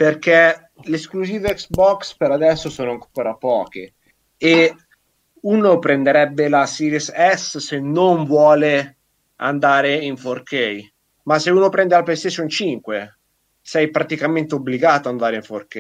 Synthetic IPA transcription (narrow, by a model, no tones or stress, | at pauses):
perke | leskluziːveɛksbɔkspeɾad̪ɛsːosoːnoaŋkkoːɾapɔːke | e | unopɾend̪eɾɛbːelasiɾesɛssenoɱvwɔːle | a̰nd̪aːɾeiɱforkej | maseuːnopɾɛnd̪elapest̪esont͡ʃiŋkwe | sɛjpɾat̪ikament̪eobliɡaːt̪oand̪aːɾeiɱforke